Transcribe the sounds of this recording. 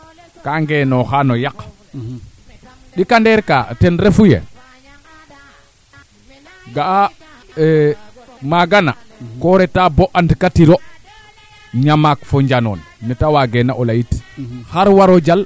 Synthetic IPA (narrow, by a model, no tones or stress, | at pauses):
kaŋɡenɔxanojak | ɗikandɛɾkatɛnɾefujḛ | ɡaa | maɡana | koɾɛtaboʔantikatiɾo | ɲamakfoɲd͡ʒanɔ̰nmɛtawaɡɛnaʔolajitxaɾwaɾod͡ʒal